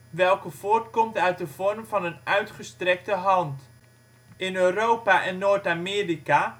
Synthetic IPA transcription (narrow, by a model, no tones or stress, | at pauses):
ʋɛlˠkəv̥oːrtkɔmtœɥt̚dəv̥ɔrmvɑnənœɥtχəstrɛk̚təɦɑnt | ɪnøːrowpaʔɛnːoːrtamɪːrika